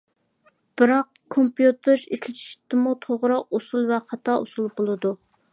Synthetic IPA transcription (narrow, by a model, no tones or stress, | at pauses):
b̥ɪɾɑq | kʰːompjut̪ʰɪɾiʃlɪʃʰi̥ʃt̪ɪmut̪ʰoʁɾɑosulˠvɛχɑt̪ʰɑo̰sulˠbolˠɨd̪u